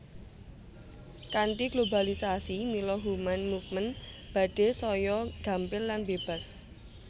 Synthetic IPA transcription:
kant̪iɡ̥lobalisasimilɔɦumanmufmənb̥a̤d̥e̤sɔjɔɡ̥a̤mpɪlːanbeb̥a̤s

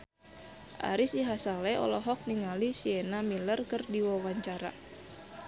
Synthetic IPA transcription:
ʔa̰ɾisiɦasalɛɔ̰lɔɦɔk̚niŋalisiɛnamilərkɨrdiwawaɲt͡ʃaɾa̰

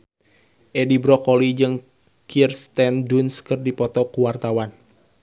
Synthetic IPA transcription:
ʔɛdibɾɔkɔlid͡ʒɨŋ | kirst̪ɛndunskɨrdipɔt̪ɔkuwart̪awan

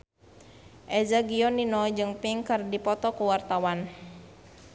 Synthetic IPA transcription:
ʔɛzaɡiɔninɔd͡ʒɨŋpiŋkərdipɔt̪ɔkuwart̪awan

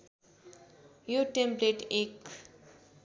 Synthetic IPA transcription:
joʈempleʈek

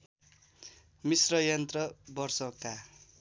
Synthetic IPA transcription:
misrʌjʌnt̪rʌbʌrsʌka

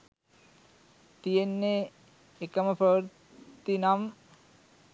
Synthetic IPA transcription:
t̪ienːe | ekamapʰɾʌʋəɾ | t̪inam

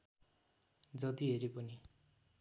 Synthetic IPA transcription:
d͡zʌt̪iɦeɾipʌni

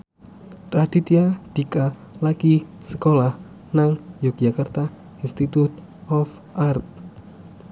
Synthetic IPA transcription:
t̪ɾad̪̥it̪iad̪̥ika | laki | səkolah | naŋjoɡ̥d͡ʒakart̪a | inst̪it̪ut̪ | ɔf | ʔart̪̚

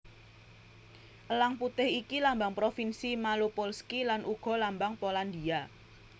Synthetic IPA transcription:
ʔəlaŋput̪ɪhikilambaŋpɾofinsimalopolskilanʔuɡ̥ɔ̤lambaŋpoland̪ia

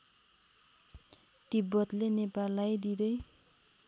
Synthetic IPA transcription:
t̪ibʌt̪lenepalːajd̪id̪ʌj

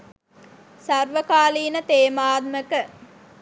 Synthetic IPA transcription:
sɐrʋəkaːliːnət̪eːmaːt̪̚məkə

